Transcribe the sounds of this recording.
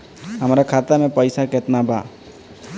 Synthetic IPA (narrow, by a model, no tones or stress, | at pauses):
ɦəmɾakʰat̪amepəjsaket̪naba